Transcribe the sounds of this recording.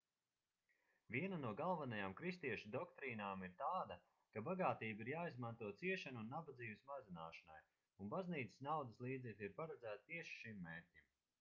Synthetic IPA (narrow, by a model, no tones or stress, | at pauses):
vʲiɛnanuɔɡalˠvanajaːmkɾist̪iɛʃud̪ɔkt̪ɾiːnaːmiɾt̪aːd̪ɐ | kabaɡaːt̪iːbiɾjaːizmant̪uɔt̪siɛʃanuunːabad̪ziːvesmazinaːʃɐna̰j | unbazniːt̪sə̥snawd̪əslˠiːd̪zɛklʲiɾpaɾad̪zæːt̪̚t̪iɛʃi̥ʃimːeːɾtʲim